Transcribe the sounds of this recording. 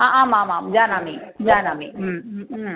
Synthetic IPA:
aʔaːmãːmamd͡ʒaːnaːmid͡ʒaːnaːmi

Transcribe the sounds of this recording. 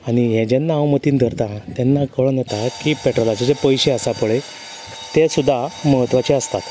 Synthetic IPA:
aɽ̃ijɛ̃d͡ʑenːawmət̪iːnd̪ʱəɾt̪ãt̪ɛnːakəɭnət̪akipeʈɾɔlat͡ɕed͡ʑepəjɕeəsapəɭe | t̪esud̪ʱːaməɦət̪ʋat͡ɕeəst̪at̪

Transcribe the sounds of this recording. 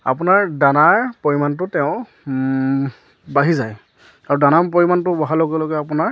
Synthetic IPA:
a̰pʊnaɹdanaɹpɔɹimant̬ʊtɛʊ̃ | baɦizaj | aɹudanapɔɹimantʊbɔɦalɔɡɛlɔɡɛapʊnaɹ

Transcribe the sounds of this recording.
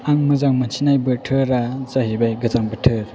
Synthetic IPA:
aŋmɯzaŋmansʰinajbɯtʰɯɾazaɦibajɡɯzaŋbɯtʰɯɾ

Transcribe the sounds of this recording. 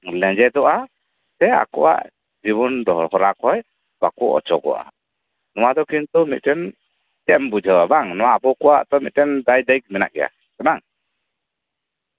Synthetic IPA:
lɛ̃d͡ʒɛd̪ɔʔa | sɛa̰kɔwa̰ʔ | d͡ʒiβɔnd̪ɔɦɔɾakʰɔj | bakuɔ̰t͡ʃɔɡɔ̰ʔa̰ | nɔwad̪ɔkint̪umit̪̚ˀʈɛn | t͡ʃɛmbud͡ʒʱɔwabaŋnɔwaːbɔkɔwaʔt̪ɔmit̪̚ɛnd̪ajd̪ajk̚mɛna̰ʔɡɛja̰ | kanaŋ

